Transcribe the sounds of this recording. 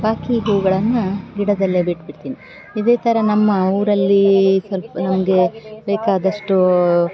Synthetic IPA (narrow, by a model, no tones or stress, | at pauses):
baːkiɦuːɡɐɭɐnːɐɡiɽɐd̪ɐlːebiʈbiɽt̪iːni | id̪e̞ːt̪ʰɐɾɐnɐmːɐuːɾɐlːisʋɐlpɐnɐmɐɡe̞bɛːkaːd̪ɐʂʈu